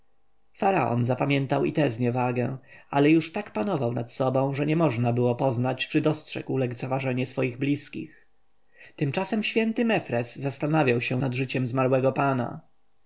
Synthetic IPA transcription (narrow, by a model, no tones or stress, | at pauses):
faɾaʔɔ̰nzapamʲjɛnt̪awḭt̪ɛzɲɛvaɡɛ̃ʔalɛjuʂt̪akpanɔvawnat̪sɔbɔ̃w̃ʐɛɲɛmɔʐnabɘwɔpɔznat͡ɕt͡ʂɘd̪ɔstʂɛ̰ɡwlɛkt̪savaʐɛɲɛsfɔjiɣblʲiskʲḭx | t̪ɘmt͡ʂasɛmɕfʲjɛnt̪ɘmɛfɾɛsːast̪anavʲjawɕɛnad̪ʐɘt͡ɕɛmzmaɾwɛɡɔpana̰